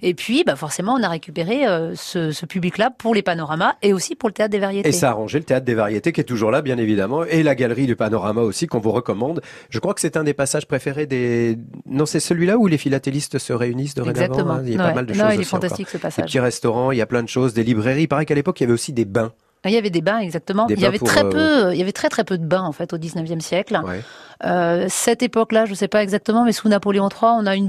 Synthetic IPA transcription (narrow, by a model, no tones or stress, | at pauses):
epɥibafɔʁsemɑ̃ɔ̃naʁekʲypeʁeøsəsəpybliklapuʁlepanɔʁamaeosipuʁlət̪eat̪χd̪evaʁjeteesaːʁɑ̃ʒelət̪eat̪χd̪evaʁjet̪ekʲiɛt̪uʒuʁlabjɛ̃nevid̪amɑ̃elaɡalʁid̪ypanɔʁamaosikɔ̃vuʁəkɔmɑ̃d̪ | ʒəkχwakə̥sɛt̪ɛ̃d̪epasaʒ̥pχefeʁed̪enɔ̃sɛsəlɥilaulefilat̪elist̪səʁeynisd̪əʁɛeɡ̪zakvt̪əmɑ̃aɛwaɛmald̪ənɔ̃ilɛffɑ̃t̪ast̪iksəpasa̰ʒt̪iʁɛst̪ɔʁɑ̃iljaplɛ̃d̪əʃozd̪elibʁeʁipaʁɛkalepɔkiljavɛosid̪ebɛ̃ | iljavɛd̪ebɛ̃ɛɡzak̚t̪əmɑ̃d̪eiljãvɛpuχɛpøiljavɛt̪χɛt̪χɛpød̪əbɛ̃ɑ̃fɛt̪od̪iznəvjɛmsjɛklwɛ̰øsɛt̪epɔklaʒəsɛpaɛɡzak̚t̪əmɑ̃mɛsunapoleɔ̃t̪χwaɔ̃nayn